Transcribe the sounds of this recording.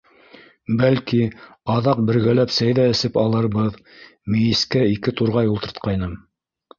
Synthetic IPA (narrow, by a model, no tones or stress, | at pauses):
bælkiɑðɑq̚bɘ̆ɾɡælæpsæjðæɘ̆sɘpɑlˠɤ̆ɾβɤð | mijɘskæikɘt̪uɾʁɑjulˠt̪ɤ̆ɾt̪̚qɑjnɤm